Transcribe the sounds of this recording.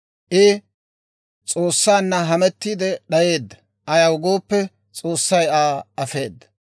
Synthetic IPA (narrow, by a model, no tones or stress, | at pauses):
ʔɪ | t͡sʼoːsːaːnːɐɦɐmɛt̪ːiːd̪ɛɗɐje̞ːd̪ːɐ̥ | ʔɐjɐwʊɡo̞ːpːɛ | t͡sʼo̞ːsːɐjaːɐfe̞ːd̪ːɐ̥